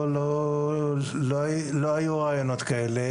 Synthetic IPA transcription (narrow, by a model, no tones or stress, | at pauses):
lo | loloajuʁajono̞t̪kaele